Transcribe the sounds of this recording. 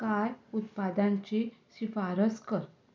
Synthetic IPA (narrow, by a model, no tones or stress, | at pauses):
kajut̪pad̪ãɲt͡ɕeɕifaɾəskəɾ